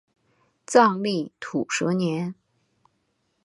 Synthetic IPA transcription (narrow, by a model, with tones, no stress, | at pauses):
t͡sɑ˥˧ŋli˥˩t̪ʰu˨˩ʂɤ˧˥njɛ˧˥n